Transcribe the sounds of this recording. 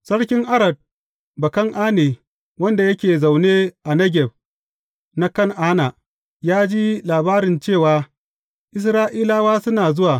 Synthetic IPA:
sɐ˦ɽkʲɪ˦ŋʔa˦ɾɐ˨d̚ | bɐ˨kɐ˦ŋʔaː˦neː˨ | wɐ˦nda˨jɐ˦kʲeː˨za˨wneː˦ʔa˨nɐ˦ɡʲɛ˨b̚ | na˦kɐ˦˨ŋʔaː˦na˨ | jaː˦d͡ʒi˦laː˨baː˦ɾɪ˨nt͡ʃeː˦˨waː˨ | ʔɪ˦s̬ɾaː˦ʔiː˦laː˦waː˦sʊ˦naː˨zʊ˦waː˨

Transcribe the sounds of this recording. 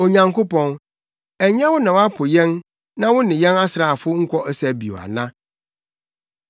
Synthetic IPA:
o˨ɲã˨ŋkʰo˦pʰɔ̃˨n | ɛ˨ɲ˦ɛ̃˦wʊ˦nã˨wa˦pʰʊ˨jɛ̃˦n | nã˦wʊ˦nɪ̃˨jɛ̃˦na˦sɾa˨fʊ˦ŋ̩˦kʰʷɔ˦ʔɛ˦sæ˨bi˨o̰˨a̰˨nã˦

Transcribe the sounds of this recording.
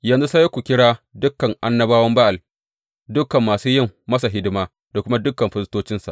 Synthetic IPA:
jɐ˨nzu˦sa˦je˦kʷu˨kʲɪ˦ɽaː˦dʊ˦kːɐ˨ŋʔa˦nːɐ˦baː˦wɐ˦mba˦ʔa˨l | dʊ˦kːɐ˨mːaː˨suː˦jɪ˦mːɐ˦sa˨ɦɪ˦dɪ˦maː˦ | da˨kʷʊ˦ma˦dʊ˦kːɐ˨mɸɪ˦stoː˦t͡ʃɪ˦nsa̰˨

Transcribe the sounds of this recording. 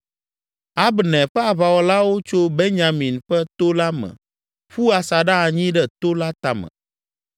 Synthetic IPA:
a˦bnɛ̃˨ɸɛ˦a˨βa˨wɔ˨la˦wo˦t͡ʃo˦be˦ɲã˨mĩ˨nɸɛ˦t̪o˦la˦mɛ̰̃˨ | ɸu˦a˨sa˨ɖa˦a˨ɲĩ˦ɖɛ˦t̪o˦la˦t̪a˨mɛ̰̃˨

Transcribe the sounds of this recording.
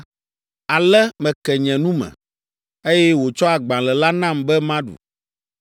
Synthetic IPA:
a˨lɛ˦mɛ̃˨kɛ˨ɲɛ̃˨nũ˦mɛ̰̃˨ | e˦jɛ˦wo˨t͡ʃɔ˦a˨ɡ͡bã˨lɛ˨la˦nã˦mbɛ˦mã˦ɖṵ˨

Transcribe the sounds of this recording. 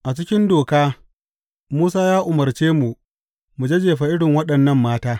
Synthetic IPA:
ʔa˨t͡ʃɪ˦kʲɪ˦ndoː˨kaː˦ | muː˦saː˦jaː˦ʔʊ˨mɐ˨rt͡ʃeː˦mu˨ʔ | mu˨d͡ʒɐ˦d͡ʒeː˨ɸa˨ʔɪ˦ɽɪ˨ŋwɐ˦ɗɐ˨nːɐ˦˨mːaː˦taː˦

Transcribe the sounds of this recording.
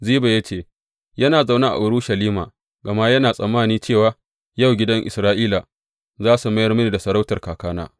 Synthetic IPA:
ziː˦ba˨jɐ˦t͡ʃeː˦˨ | jɐ˦naː˨za˨wnaː˦ʔa̰˨ʔʊ˨ɾʊ˦ʃɐ˨liː˦ma̰ː˨ | ɡɐ˨ma˦jɐ˦naː˨sʼɐ˨mːaː˦˨niː˦t͡ʃeː˦˨waː˨ | ja˦˨wɡʲɪ˦dɐ˦ŋʔɪ̰˨sɾaː˦ʔiː˦la˨ | zaː˦su˨mɐ˦jɐ˦rmʊ˦niː˨da˨sɐ˨ɾa˦wtɐ˨rkaː˨kaː˦na̰ː˦

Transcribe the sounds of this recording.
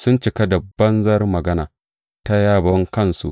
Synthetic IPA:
sʊ˦nt͡ʃɪ˨ka˦da˨bɐ˦nzɐ˦rmɐ˨ɡɐ˦naː˨ | ta˦jaː˦˨bɔ˦ŋkɐ˦nsṵ˦ʔ

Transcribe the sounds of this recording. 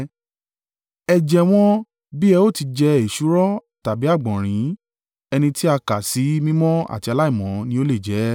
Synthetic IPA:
ɛ˧d͡ʒɛ˧w̃ɔ̃˦ | bi˦ɛ˧o˦˨ti˧d͡ʒɛ˧e˨ʃu˨˦ɾɔ˦ta˨bi˨˦a˦˨ɡ͡bɔ̃˨ɾ̃ĩ˨˦ | ɛ˧nĩ˧ti˦a˧ka˨si˨˦mĩ˦mɔ̃˦a̰˨ti˧a˧la˦i˦˨mɔ̃˨˦nĩ˦o˦le˦˨d͡ʒɛ˨˦

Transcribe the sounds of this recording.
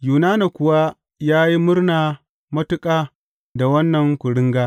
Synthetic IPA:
juː˨naː˦na˨kʷʊ˨wa˦ | jaː˦ji˦mʊ˦rnaː˨ | mɐ˦tʊ˦kʼaː˨ | da˨wɐ˦nːɐ˨ŋkʷʊ˨ɽɪ˦ŋɡaː˦

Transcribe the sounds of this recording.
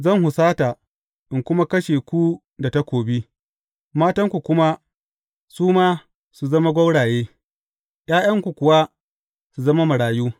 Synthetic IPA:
zɐ˦˨ŋhʊ˨saː˦ta˨ | ʔɪ˨ŋkʷʊ˦ma˦kɐ˦ʃeː˨kʷu˦ | da˨ta˦kʷoː˨bi˦ | maː˦tɐ˦ŋkʷu˨kʷʊ˦ma˦ | suː˦maː˦ | su˨zɐ˦ma˦ɡʷɐ˦wɽaː˨jeː˦ | j̰aː˦j̰ɐ˦ŋkʷu˨kʷʊ˨wa˦ | su˨zɐ˦ma˦mɐ˨ɽaː˨juː˦

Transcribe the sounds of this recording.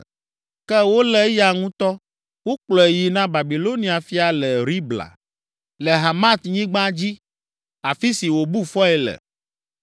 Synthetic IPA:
kɛ˦wo˦lɛ˦ja˨ŋũ˦t̪ɔ˦ | wo˦k͡plɔ˨e˨ji˨nã˦ba˨bi˨lo˦nĩ˦a˨fi˦a˨lɛ˨ɾi˦bla̰˨ | lɛ˨ɦa˨mã˦t̪ɲĩ˦ɡ͡bã˦d͡ʑi˦ | a˨fi˦si˨wo˨bu˦fɔ˦ɛ˨lɛ̰˨

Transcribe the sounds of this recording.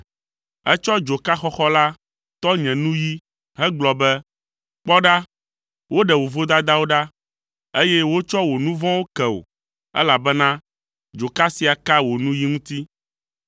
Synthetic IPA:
ɛ˦t͡ʃɔ˦d͡ʒo˨ka˦xɔ˦xɔ˦la˦ | t̪ɔ˦ɲɛ̃˨nũ˦ji˦ | ɦɛ˦ɡ͡blɔ˨bɛ˦ | k͡pɔ˦ɖa˦ | wo˦ɖɛ˨wo˨vo˦d̪a˦d̪a˦wo˦ɖa˦ | e˦jɛ˦wo˦t͡ʃɔ˦wo˨nũ˦vɔ̃˦wo˦kɛ˨o̰˨ | ɛ̰˦la˨bɛ˦nã˦ | d͡ʒo˨ka˦si˨a˨ka˦wo˨nũ˦ji˦ŋũ˦t̪i˦

